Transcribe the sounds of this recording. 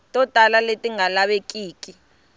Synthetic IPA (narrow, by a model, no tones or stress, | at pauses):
tʼɔtʼalaletʼiŋalaɓekʼiːkʼi